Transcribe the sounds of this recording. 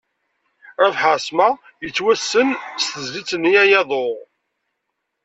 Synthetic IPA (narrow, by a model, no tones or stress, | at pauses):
æfħasmæ | jət͡sːwæsːənst̪əzlit͡sːənijæjɑðˤoʁ